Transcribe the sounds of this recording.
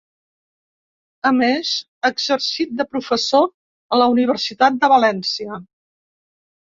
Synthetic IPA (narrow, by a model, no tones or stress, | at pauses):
əmez | əɡzəɾsit̪̚d̪əpɾufəso | ələuniβ̞əɾsit̪at̪̚d̪əβəlɛnsiə